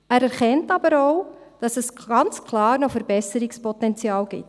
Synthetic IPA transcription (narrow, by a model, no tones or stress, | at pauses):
æːɾɛɾχɛntɑb̥əɾɔʊd̥ɑsɛsɡ̥ɑnt͡skʰlɑːɾnɔfəɾbɛsəɾikspɔtɛnt͡sjɑːlɡ̥ɪ̰t